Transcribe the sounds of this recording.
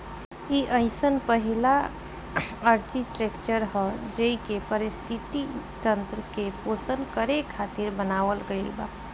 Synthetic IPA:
iʔəɪsənpəɦɪla | əɾd͡ʒiʈɾekt͡ʃəɾɦɛd͡ʒeikepəɾɪst̪ʰɪt̪it̪ə̃nt̪ɾəkepoːsənkəɾekʰaːt̪ɪɾbənaːʋəlɡəiba

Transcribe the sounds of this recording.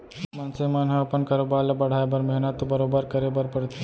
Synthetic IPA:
mansemanɦɐ̃ɐpənkaːɾoːbaːlɐbɐɽ̤aːebɐɾmɐɦinət̪ːobɐɾoːbəɾkɐɾebəɾpɐɽt̪ʰe

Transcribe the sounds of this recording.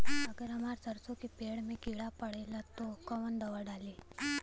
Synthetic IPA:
əɡeɾəmaɾt͡səɾt͡sokipeɽmikiɽapəɽelat̪okəʋənd̪əʋəɽali

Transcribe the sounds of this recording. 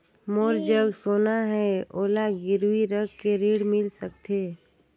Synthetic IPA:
moːɾd͡ʒəɡsoːnaɦɛoːlaɡɪɾwiɾəɡkeɾiːɽmɪlsək̚t̪ʰeː

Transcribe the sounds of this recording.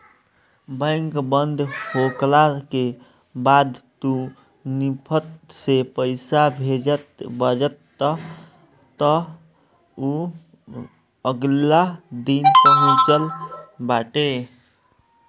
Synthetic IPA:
bəjŋkbənd̪ʱhoklake | bad̪t̪u | nipʰət̪̚sepəɪsabʱed͡ʒət̪bəd͡ʒət̪ː | ə | t̪ə | u | əɡlad̪inpəɦũt͡ʃəlbaʈe

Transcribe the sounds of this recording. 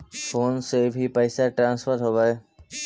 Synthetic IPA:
fʰoːnsebʱipəɪsaʈɾãːnsfʰəɾɦobae

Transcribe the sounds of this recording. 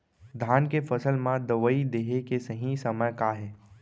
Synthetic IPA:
d̪ʱaːnkefɐsəlmãd̪ɐʋəid̪eːɦekesɐɦĩsɐməjkaːɦɛː

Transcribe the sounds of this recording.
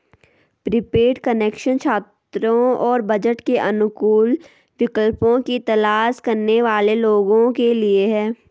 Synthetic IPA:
pɾɪpeːʈkəneːkʃənt͡ʃʰaːt̪ | ɾõɔːɾbɐd͡ʒəʈkeʔɐnʊkuːl | ʋɪkəlpõkit̪ɐlaːʃkɐɾneʋaːleloːɡõkelieɦɛː

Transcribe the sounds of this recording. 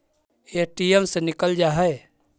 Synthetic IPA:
eʈijəmsenɪkəld͡ʒaːɦəe

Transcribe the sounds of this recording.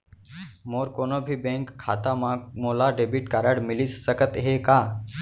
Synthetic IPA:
moːɾkoːnoːbʱibẽːŋkʰːaːt̪amãmoːlaɖeːbiʈkaːɾəɽmɪlissəkət̪ɦekaː

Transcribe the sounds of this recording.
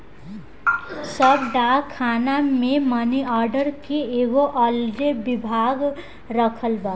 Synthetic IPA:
səbɖakʰːaːnamẽməniɔːɾɖəɾkeeːɡoʔɔld͡ʒebɪbʱaːɡ | ɾəkʰəlba

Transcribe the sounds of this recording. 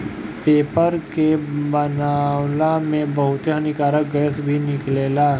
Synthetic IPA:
peːpəɾkebənaːwlamẽbɐɦʊt̪janɪkaːɾək̚ɡəəsbʱinɪkleːla

